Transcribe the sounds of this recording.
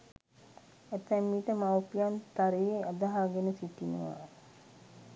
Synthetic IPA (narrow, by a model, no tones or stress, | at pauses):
æt̪ːɛmːiːʈəmawpijant̪aɾejead̪aɦaːɡenəsiʈinə̰ʋa̰ː